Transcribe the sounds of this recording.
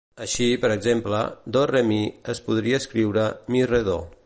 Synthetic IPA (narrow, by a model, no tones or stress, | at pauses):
əʃipəɾəɡzemplə̰d̪oremiəspuð̞ɾiəːskɾiwɾəmireðo